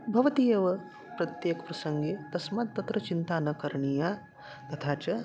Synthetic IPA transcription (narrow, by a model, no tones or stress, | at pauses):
bʱɐʋɐt̪ijɐʋɐ | pɾɐt̪jeːkɐ̥pɾɐsɐŋɡeːt̪ɐsmaːt̪̚t̪ːɐt̪ɾɐt͡ʃint̪aːnɐkɐɾɐɳijaː | t̪ɐt̪ʰaːt͡ʃɐ